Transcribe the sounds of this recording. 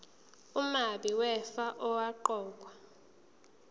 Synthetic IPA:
umaɓiwɛfaʔɔwaǃɔːk̬wa

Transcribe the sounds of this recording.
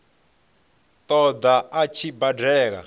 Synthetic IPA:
t̪ɔd̪aat͡ʃʰibadɛːka̰

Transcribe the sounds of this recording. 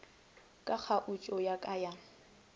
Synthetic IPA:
kʼak͡xʰaʔʊt͡ʃʼɔjakʼaja

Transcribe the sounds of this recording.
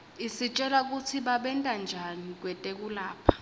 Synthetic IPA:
isit͡ʃʼɛlak̬ʼutʰiɓaɓɛntʼand͡ʒʱanik̬wɛtʼek̬ʼulaːpʰḁ

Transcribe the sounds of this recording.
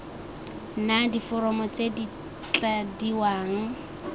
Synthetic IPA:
nadifʊɾɔmɔt͡sedi | t͡ɬadiwaːŋ̩

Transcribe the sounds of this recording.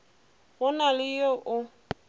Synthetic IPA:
ɣʊnalɪjoʔʊ

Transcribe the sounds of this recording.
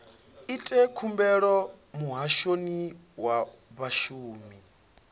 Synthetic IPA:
itʼɛkʰumbɛɺɔmuɦaʃoni | waβaʃuːmi

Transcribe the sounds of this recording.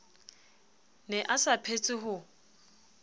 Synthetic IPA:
nɛʔasapʰet͡sʼɪɦʊ

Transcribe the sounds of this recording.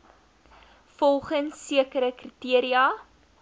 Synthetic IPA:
fɔlˠχənsːiəkəɾəkritiəɾiɐ

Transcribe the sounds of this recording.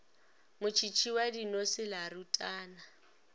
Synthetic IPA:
mʊt͡ʃʰit͡ʃʰiwadinosɪlaɾutʼaːna

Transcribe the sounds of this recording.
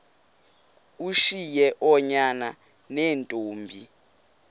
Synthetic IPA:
uʃijɛʔɔɲana | nɛːntʼoːmbʱi

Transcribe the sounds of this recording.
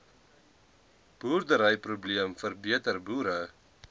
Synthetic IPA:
b̥uːrdəɾəjprubliəmfərbiətərbuːɾə

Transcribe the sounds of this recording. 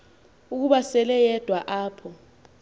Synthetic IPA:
uk̬uɓasɛlɛjɛd̥ʱwaʔaːpʰɔ

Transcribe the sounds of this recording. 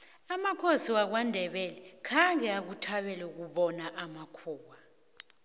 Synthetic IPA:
amakʰosiwak̬wandʱɛɓɛlɛkʰaŋɡɛak̬utʰaɓɛlɛuk̬uɓɔnaʔamakʰuːwa

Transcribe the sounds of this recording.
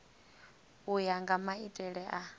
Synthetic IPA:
ujaŋɡamaitʼɛɺɛʔa

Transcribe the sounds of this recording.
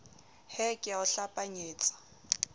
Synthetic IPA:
hɛkʼɪʊɬapʼaɲeːt͡sʼḁ

